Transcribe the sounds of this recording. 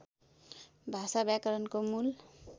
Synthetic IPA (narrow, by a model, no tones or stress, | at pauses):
bʱasabjakʌɾʌnkomul